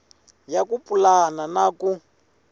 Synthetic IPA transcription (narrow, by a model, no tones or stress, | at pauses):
jakupʼulananaːku